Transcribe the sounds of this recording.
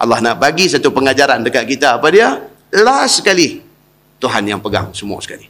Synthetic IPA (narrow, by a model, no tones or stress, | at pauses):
ʔa̰lːahnaʔbaɡisat̪upəŋad͡ʒaɾandəkaʔ̚kit̪aːpadia | lasə̥kalih | t̪uɦanjaŋpəɡa̰ŋsəmua̰sə̥kalih